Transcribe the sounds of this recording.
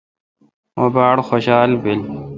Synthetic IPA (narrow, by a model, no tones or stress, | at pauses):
obaːɽxoɕaːlbil